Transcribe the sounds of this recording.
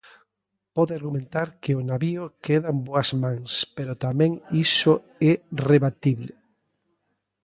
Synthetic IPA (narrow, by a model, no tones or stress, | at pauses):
pɔðeaɾɣumẽnt̪aɾkeonaβiokeðamboazmãŋspeɾot̪amẽŋiso | ɛreβat̪iβle